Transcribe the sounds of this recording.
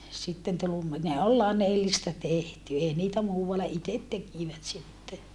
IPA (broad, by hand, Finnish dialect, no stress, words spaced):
sitːen tul umːi ne ol lɑnelːistɑ tehty ei niːtæ muːʋɑlːɑ itet tekiˑʋæt sitːe